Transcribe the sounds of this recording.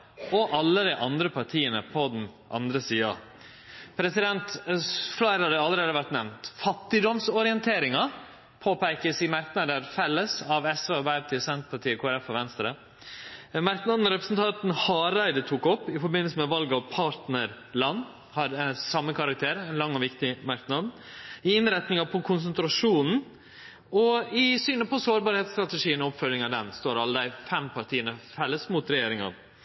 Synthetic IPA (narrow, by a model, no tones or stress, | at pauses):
ɔʔɑlːəd̪ɪʔɑnd̪ɾəpʰɑɾʈʰiːənəpʰɔd̪nʔɑ̰nd̪ɾəsiːɑ̰ | pʰɾɛsɪd̪ɛnt̪flɑɪɾɑd̪əɑlːəɾeːd̪əʋæɾʈ̪nɛʋnt̪fɑt̪ːɪd̪ɔmsɔɾɪənt̪ʰeːɾɪŋɑ | pʰoːpæɪkəsɪmæɾknɑd̪əɾfɛlːəsɑʋɛsʋeːbæɪpɑt̪ʰɪːsɛnt̪əpɑʈʰiːəkʰoːæɾɛfɔʋɛnst̪ɾə | mæɾknɑd̪n̩ɾɛpɾəsn̩t̪ʰɑnt̪n̩hɑːɾæɪd̪ət̪ʰuːkɔpːɪfɔɾbɪnːəlsəmɛʋɑlɡɔpʰɑːɾt̪nəɾ | lɑnː | hɑɾsɑmːəkʰɑɾɑk̚t̪ʰeːɾɛnlɑŋːɔʋɪkt̪ɪmɑɾknɑd̪n | ɪɪnɾɛt̪nɪŋɑpʰɔkʰʊns̬ənt̪ɾɑʂuːnn̩ | ɔɪsyːnəpʰɔsoːɾbɑːɾhɛːt̪st̪ɾɑt̪ɛʂiːənɔɔpfœlːɪŋɑd̪ɛnst̪oːɾɑlːəd̪æɪfɛmpʰɑɾt̪ʰiːənəfɛlːəsmuːt̪ɾɛjeːɾɪŋɑ̰ʋ